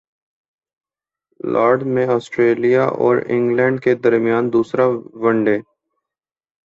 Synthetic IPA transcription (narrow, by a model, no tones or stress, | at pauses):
lʔaːɾɖmẽɔːsʈɾeːlijaʔɔ̰ːɾɪ̰̃ŋɡlɛ̃ːɳɖked̪ɐɾmijaːnd̪uːsɾaʋɐ̃ɳɖeː